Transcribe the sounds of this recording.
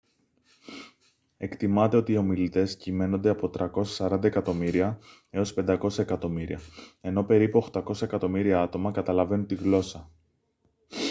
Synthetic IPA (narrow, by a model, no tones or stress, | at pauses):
e̞kt̪imɐt̪e̞o̞t̪iːo̞milit̪e̞scime̞no̞nd̪e̞ɐpo̞t̪ɾɐko̞sɐ̥sɐɾɐnd̪ɐekɐt̪o̞miɾiɐ | e̞o̞spe̞nd̪ɐko̞sɐe̞kɐt̪o̞miɾḭɐe̞no̞pe̞ɾipuoxt̪ɐko̞sɐekɐt̪o̞miɾiɐɐt̪o̞mɐkɐt̪ɐlɐve̞nunt̪iɣlo̞sɐ